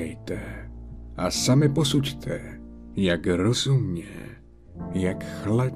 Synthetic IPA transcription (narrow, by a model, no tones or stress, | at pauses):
ɛjt̪ɛ | ʔasamɪpo̞suct̪ʰɛjakɾozumɲɛ̰ | jakxlad